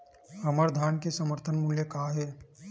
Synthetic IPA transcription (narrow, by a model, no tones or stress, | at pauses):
ɦɐməɾd̪ʱaːnkesəməɾt̪ʰənmuːljəkaːɦɛː